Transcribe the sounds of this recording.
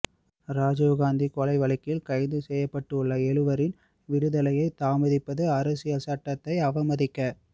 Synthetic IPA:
ɾaːd͡ʒɐːɣaːnd̪ikɔlɐɪʋɐɭɐkːɪlkɐɪðɯsɛjːɐpːɐʈːɯʊɭːɐɛɻɯʋɐɾɪn | ʋɪɾɯðɐlɐjɐɪt̪ːaːmɐðɪpːɐðɯɐɾɐsɪjɐsɐʈːɐt̪ːɐɪɐʋɐmɐðɪkːɐ

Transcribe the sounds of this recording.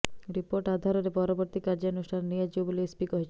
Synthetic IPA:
ɾipoɾʈad̪ʱaɾeɾepɔɾoboɾt̪ikaɾd͡ʑeonusʈʰanːiad͡ʑiboboleespikoɦet͡ɕʰ

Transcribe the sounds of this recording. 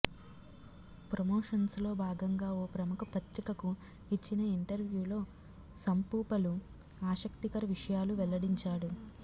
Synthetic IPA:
pɾɐmoːʂɐnslo̞ːbʱaːɡɐŋɡaːoːpɾɐmukɐpɐt̪ɾikɐku | it͡ʃːinɐiɳʈɐɾʋjuːlo̞ː | sɐmpuːpɐlu | aːʃɐkt̪ikɐɾɐʋiʂɐjaːluʋɛlɐɽiɲt͡ʃaːɽu

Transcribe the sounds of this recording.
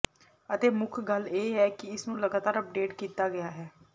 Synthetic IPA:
ət̪eːmʊkʰɡəleːɦɛːkɪɪsnũːləɡaːt̪aːɾəp̚ɖeːʈkiːt̪aːɡɪjaːɦɛː

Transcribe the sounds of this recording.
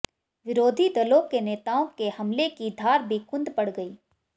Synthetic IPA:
ʋɪɾoːd̪ʱid̪ɐloːkeneːt̪aːõkehɐmlekid̪ʱaːɾbʱikʊ̃nd̪pɐɽɡɐiː

